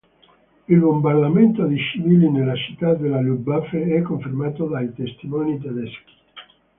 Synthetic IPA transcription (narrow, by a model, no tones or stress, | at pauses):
ilbombard̪ament̪od̪it͡ʃiviːlinelat͡ʃi̥t̪ːad̪elalubafeɛkːoɱfermaːt̪od̪ait̪est̪imɔːnit̪ad̪ɛski̥